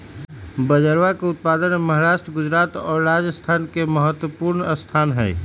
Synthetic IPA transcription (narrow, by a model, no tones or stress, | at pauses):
bəd͡ʒəɾwakeʊt̪̚paːd̪ənməɦaɾaːʃʈɾəɡʊd͡ʒɾaːt̪ɔːɾɾaːd͡ʒəst̪ʰaːnkeməɦət̪wəpuːɾnəst̪ʰaːnɦɛ̰ː